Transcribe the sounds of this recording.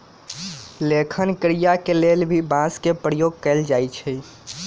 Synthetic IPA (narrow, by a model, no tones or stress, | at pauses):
lekʰənkɾijakelelbʱibãskepɾəjoɡ̚kɛɪld͡ʒajt͡ʃʰɛ